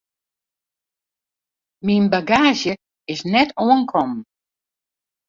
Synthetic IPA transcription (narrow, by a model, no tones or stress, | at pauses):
minbaɡaːʒjə | ɪsnɛtʰoənkʰɔm